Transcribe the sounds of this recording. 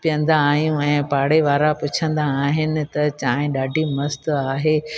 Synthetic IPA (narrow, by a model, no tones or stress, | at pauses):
pijə̃nd̪aːɦijũɛ̃ːpaːɽeʋaːɾapʊt͡ɕʰə̃nd̪aːɦɪnɪ̆t̪ɐt͡ɕaːɦɪ̃ɗaːɖʱimɐst̪aːɦeː